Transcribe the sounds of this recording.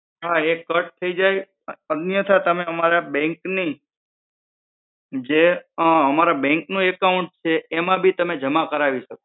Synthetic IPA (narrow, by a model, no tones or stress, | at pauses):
ɦaekəʈ̚t̪ʰəid͡ʒaj | ədnjət̪ʰat̪əmeəmaɾabɛ̃ŋkni | d͡ʒeəmaɾabɛ̃ŋknũekauɳʈ̚t͡ʃʰeːmãbʱit̪əmed͡ʒəmakəɾaʋiʃəko